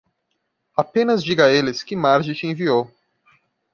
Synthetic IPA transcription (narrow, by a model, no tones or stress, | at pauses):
apẽnɐzd͡ʒiɡɐelɪskɪmaɾʒit͡ʃɪẽviow